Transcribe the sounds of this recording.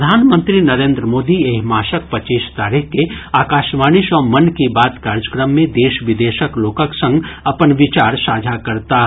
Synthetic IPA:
d̪ʱaːnmə̃nt̪ɾinɐɾẽːnd̪ɾəmoːd̪ieɦmaːʃək̚pɐt͡ʃeːʃt̪aːɾixkeaːkaːʃʋaːnɪʃɔːɾmɐnkibaːt̪kaːɾd͡ʒəkɾəmːẽd̪eːʃʋɪd̪eːʃəkloːkəksɐ̃ŋɡɐpənʋɪt͡ʃaːɾsaːd͡ʒʱakɐɾt̪a

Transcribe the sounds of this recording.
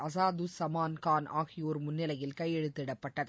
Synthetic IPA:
ɐs̬aːd̪usɐmaːnkaːnʔaːɣɪjoːɾmʊnːɪlɐjɪlkɐɪɛɽɯt̪ːɪɽɐpːɐʈːɐðɯ

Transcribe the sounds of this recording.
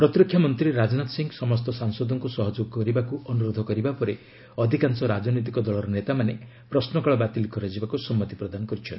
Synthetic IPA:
pɾɔt̪ɾɔkʰːjamɔnt̪ɾiɾad͡ʒnat̪ɔ̥siŋɡɔsɔmɔst̪ɔsaŋsɔd̪ɔŋkusɔɦɔd͡ʒoɡɔkɔɾibakuɔnuɾod̪ʱɔkɔɾibapɔɾe | ɔd̪ʱikansɔɾad͡ʒɔnɔjt̪̬ikɔd̪ɔɭɔɾɔnet̪amane | pɾɔsnɔkɔɭɔbat̪ilkɔɾad͡ʒibakusɔmːɔt̪ipɾɔd̪anɔkɔɾit͡ʃʰɔn

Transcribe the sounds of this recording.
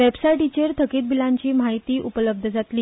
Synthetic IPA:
ʋebsaiʈit͡ɕeɾt̪ʰəkiːt̪̚bilaɲt͡ɕiːmaɦit̪iːʔupələb̚d̪ʱəd͡zat̪liː

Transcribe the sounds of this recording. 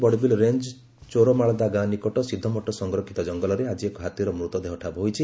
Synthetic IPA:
bɔɽbilɾend͡ʒ | t͡ʃoɾɔmaɭɔd̪aɡanikɔʈɔsid̪ʱːɔmɔʈːɔsɔŋɡɾɔkʰi̥t̪ɔd͡ʒɔŋɡɔlɔɾead͡ʒiekɔɦat̪iɾɔmɾut̪ɔd̪eɦɔʈʰabɔɦojt͡ʃʰi

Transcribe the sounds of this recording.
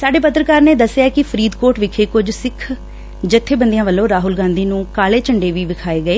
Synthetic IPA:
saːɖeːpət̪ɾəkaːɾneːd̪əsːejaːkɪpʰəɾiːd̪koːʈʋɪkʰeːkʊd͡ʒsɪkʰ | d͡ʒət̪ʰːeːbənd̪ijãːʋəlːõːɾaːɦʊlɡãːnd̪iːnũːkaːleːt͡ʃəɳɖeːʋiːʋɪkʰaːeːɡəeː

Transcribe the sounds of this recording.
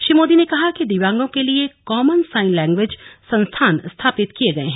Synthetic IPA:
ʃɾiːmoːd̪inekɐɦakid̪iʋãːŋɡõkeliekɔːmənsaːɪnlɛ̃ːŋɡʋeːd͡ʒsɐ̃nst̪ʰaːnst̪ʰaːpɪt̪kieɡɐeɦɛ̃

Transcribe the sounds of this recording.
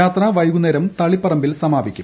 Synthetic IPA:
aːt̪rɐʋɐjɡuneɾɐmt̪ɐɭipːɐrɐmbilsɐmaːbikʲːu

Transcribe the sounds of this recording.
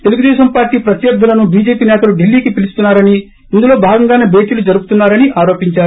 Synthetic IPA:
t̪e̞luɡud̪ɛːʃɐmpaːɾʈiːpɾɐt̪jɐɾd̪ʱːɐlɐnubiːd͡ʒe̞ːpiːnɛːt̪ɐluɖilːiːkipilust̪unːaːɾɐniː | nd̪ulo̞ːbʱaːɡɐŋɡaːneːbʱe̞ːʈiːlud͡ʒɐɾuɡu̥t̪unːaːɾɐniʔaːɾoːpiɲt͡ʃaːɾu

